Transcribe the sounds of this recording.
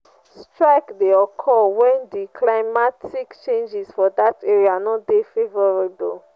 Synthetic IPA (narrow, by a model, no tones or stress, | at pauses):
stɹaɪkdeɔkʰɔlwɛ̃ndikʰlaɪmatʰikt͡ʃẽnd͡ʒisfɔdateɹianɔdefevɔɹebo̰l